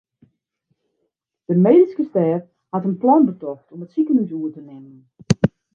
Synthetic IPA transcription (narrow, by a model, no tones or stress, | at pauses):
d̥əmeːdiskəstɛːf | hatənplɔnbətɔxtʰɔmətsikənysuətənɪmən